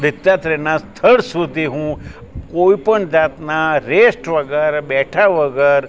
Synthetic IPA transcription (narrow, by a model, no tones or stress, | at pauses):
d̪ɪt̪ːat̪ɾenast̪ʰəɭsud̪ʱiɦũ | koipəɳd͡ʒat̪naɾesʈʋəɡəɾbɛʈʰaʋəɡəɾ